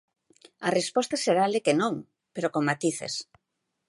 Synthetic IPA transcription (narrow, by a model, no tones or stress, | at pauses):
ɐrespɔst̪aseɾalɪkenõŋ | peɾokoŋmat̪iθḛs